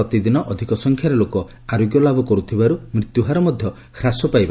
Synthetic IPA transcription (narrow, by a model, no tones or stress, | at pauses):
ɔt̪id̪inɔʔɔd̪ʱikɔsɔŋkʰjaɾelokɔ | aɾoɡjɔlabʱɔkɔɾut̪ʰibaɾumɾit̪juɦaɾɔmɔd̪ʱjɔ | kʰɾasɔpajba